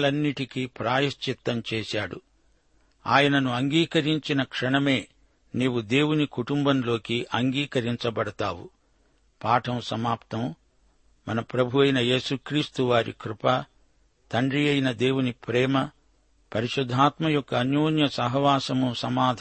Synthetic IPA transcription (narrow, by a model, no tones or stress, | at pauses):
lɐnːiʈikipɾaːjɐst͡ʃit̪ːɐmt͡ʃɛːsaːɽṵ | a̰ːjɐnɐnuɐŋɡiːkɐɾiɲt͡ʃinɐkʂɐɳɐme̞ː | niːwud̪e̞ːwunikuʈumbɐmlo̞ːkiʔɐŋɡiːkɐɾiɲt͡ʃɐbɐɽɐt̪aːwṵ | paːʈʰɐmsɐmaːpt̪ɐm | mɐnɐpɾɐbʱuʋɐjnɐjeːsukɾiːst̪uʋaːɾḭkɾupɐ | t̪ɐɳɖɾijɐjnɐd̪e̞ːwunipɾɛːmɐ | pɐɾiʂud̪ʱːaːt̪mɐjɔkːɐːnjuːnjɐsɐɦɐʋaːsɐmusɐmaːd̪ʱ